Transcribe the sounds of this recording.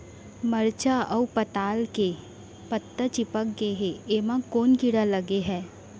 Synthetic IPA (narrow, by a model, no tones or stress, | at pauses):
məɾt͡ʃaəupət̪aːlke | pət̪ːət͡ʃɪpək̚ɡeɦeemãkoːnkiɽaləɡeɦɛː